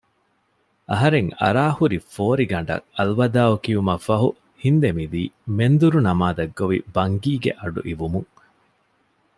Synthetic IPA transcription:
ɐɦɐɾeŋɐ̰ɾaːhuɾifoːɾiɡɐɳɖɐ̰ŋɐlʋɐd̪aːukiumɐfɐɦu | hind̪emid̪iːmend̪uɾunɐmaːd̪ɐɡːoʋḭbɐŋɡiːɡḛʔɐɖṵʔiʋumuŋ

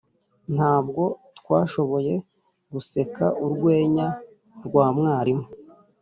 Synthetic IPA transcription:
n̥haːb̚ɡo̞tkwaːʃo̞βo̞je̞ | ɡuse̞kaʔuɾɡwe̞ːɲa | ɾɡwaːmŋaːɾimo

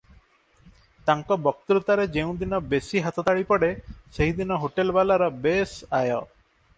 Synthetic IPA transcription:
t̪aŋkɔbɔk̚t̪ɾut̪aɾed͡ʒeũd̪inɔbesiɦat̪ɔt̪aɭipɔɽeseɦid̪inɔɦoʈelbalaɾɔbesajɔ

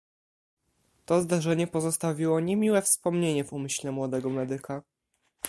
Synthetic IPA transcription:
t̪ɔzd̪aʐɛɲɛpɔzɔst̪avʲiwɔɲemʲiwɛfspɔmɲeɲɛvumɘɕlɛmwɔd̪ɛɡɔmɛd̪ɘka

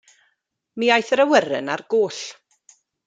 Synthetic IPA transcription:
miːajθɾəwəɾɨ̰narɡ̥oːɬ

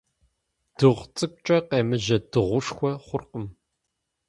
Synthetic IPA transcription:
d̥ɨʁʷt͡sʼɨkʷʼt͡ʃʼɐqeːmɨʒɐdɨʁʷʊʂxʷɔχʷʊrqəm

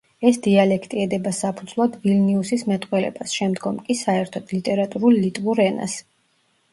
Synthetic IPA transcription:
ɛsd̪ialɛkʰt̪ʼiɛd̪ɛbasapʰud̪zlˠad̪vilniusismɛt̪ʼqʼwɛlɛ̰basʃɛmd̪ɡɔmkʼisaɛɾt̪ʰɔd̪̥lit̪ʼɛɾat̪ʼuɾulˠːit̪ʼvuɾɛna̰s

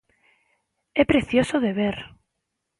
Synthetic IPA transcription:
epɾeθjosoðeβ̞eɾ

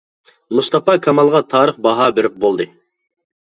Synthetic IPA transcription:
must̪ɑpɑkʰɑmɑlˠʁɑt̪ʰɑːɾəχbɑɦɑbeɾɪp̚bolˠd̪ɨ

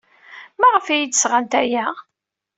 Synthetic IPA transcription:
mæʁəfæjid̪əsʁant̪æjæ

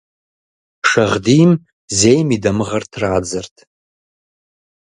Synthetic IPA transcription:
ʂaʁdim | ze̞jmidamɨʁartʰraːd͡zɨrtʼʰ

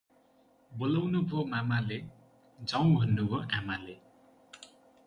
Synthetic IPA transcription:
bolʌwnubʱomamale | d͡zʌw̃bʱʌnːuboʔamale

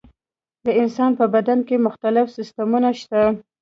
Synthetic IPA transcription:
d̪əɪnsɑnpəbad̪ankemʊxt̪alɪfsɪst̪amunaʃt̪a

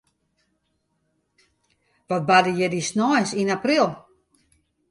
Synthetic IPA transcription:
ʋɔt̚badəjɛdisnɔjsinaprilˠ

